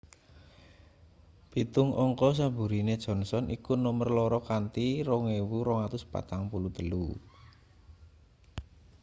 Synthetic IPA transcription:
b̥i̤t̪ʊŋɔŋkɔs̬abṳɾined̥ʒ̥ɔ̤nsɔnʔḭkunɔmərlɔɾɔkant̪iɾɔŋewuɾɔŋat̪ʊspa̰t̪aŋpulut̪əlu

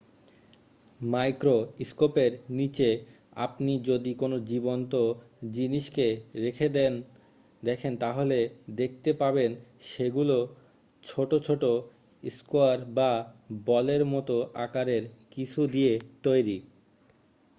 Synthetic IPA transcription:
majkɾoiskopeɾnit͡ɕe | a̰pnid͡ʑod̪ikonod͡ʑibont̪o | d͡ʑiniʃkeɾekʰed̪ɛn | d̪ɛkʰent̪aɦoled̪ek̚ʰt̪epabenʃeɡulo | t͡ɕʰoʈot͡ɕʰoʈo | iskoaɾbabɔleɾmɔt̪oʔa̰kaɾeɾkit͡ɕʰud̪iet̪ojɾi

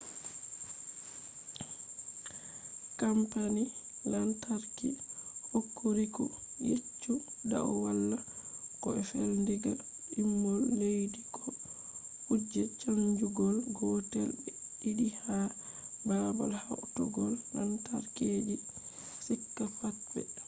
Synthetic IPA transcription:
kampanilantaɾkḭhokːoɾikɔ | jit͡ʃːuda̰wwalːakɔɛfelndɛɡa | imːɔlːejdikʰɔ | hud͡ʒːɛt͡ʃaɲd͡ʒuɡɔlɡɔtɛlbɛiɗiha | baba̰lhawtɔɡɔlːantaɾkeːd͡ʒi | sikːafatbɛ̰

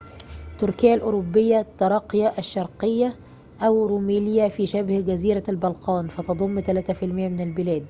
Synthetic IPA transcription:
t̪ʊɾkɪjːalʔʊɾʊbːɪjːæt̪ːɑɾˤɑːqjɑʔæʃːɑɾˤqɪjːa | ʔæwɾuːmæːljæfiːʃæbhɡæziːɾælbɑlqɑːnfæt̪ɑd̪ˤomːt̪ælæːt̪æfɪlmɪjːæmɪnɪlbɪlæːd̪

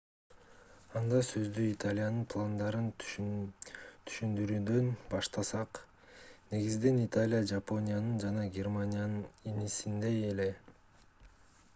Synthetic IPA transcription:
ɑnd̪ɑsø̞zd̪yit̪alʲɪjanɯnpʰlˠand̪ɑɾɯn | t̪ʰy̥ʃynd̪yɾyːd̪ø̞nbɑʃt̪ɑsɑq | ne̞ɡizd̪e̞nit̪alʲijad͡ʒapo̞nʲijanɯnd͡ʒɑnɑɡʲermanʲijanɯninisind̪e̞ele̞

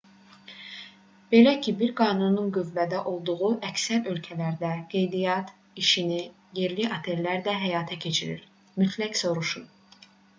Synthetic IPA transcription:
b̥e̞læcʰibiɾɡɑːnununɡyvːæd̪æʔo̞lˠd̪uʁuʔæcsæɾø̞lcʰælæɾd̪æɡ̥e̞jd̪ijɑt̪ | iʃini | jeɾliʔɑt̪ʰe̞llæɾd̪æɦæjɑːt̪ʰæcʰe̞t͡ʃʰiɾḭɾ | myt̪ʰlæcso̞ɾuʃun

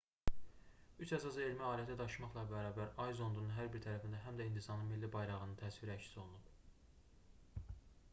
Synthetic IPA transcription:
yt͡ʃæsɑze̞lmæɑːliæt̪ʰæd̪ɑʃmɑχlˠɑbæɾɑːbæɾɑjzo̞nd̪ununɦæɾbiɾt̪ʰæɾæfind̪æɦæmd̪æind̪isɑnɯnmilːibɑjɾɑʁɯnɯnt̪ʰæsviɾæcsi̥so̞lˠunub̥

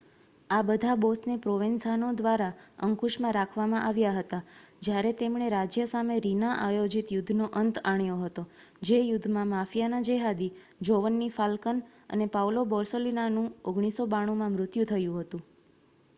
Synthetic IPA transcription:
abəd̪ʱabosnepɾoʋinsanod̪ʋaɾaəŋkuʃmãɾakʰʋamãʔaʋjaɦət̪ad͡ʒjaɾet̪emɳ̃eɾad͡ʒjəsameɾinaʔajod͡ʒit̪jʊd̪ʱːnoʔənt̪ʰaɳjoɦət̪o | d͡ʒejʊd̪ʱːmãmafijanad͡ʒeɦad̪i | d͡ʒoʋənːifalkən | ə̰nepaʋlobɔɾsolinanũoɡɳ̃isobaɽ̃umãmɾʊt̪jũt̪ʰəjũɦət̪ũ

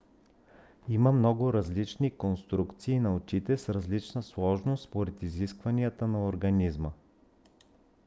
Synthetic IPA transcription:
iməmnɔɡʊɾɐzlit͡ʃnikonst̪ɾukt̪siːnɐot͡ʃit̪ɛsɾɐzlit͡ʃnəslˠɔʒnost̪spoɾɛt̪iziskvɐniət̪ənɐoɾɡɐnizmə

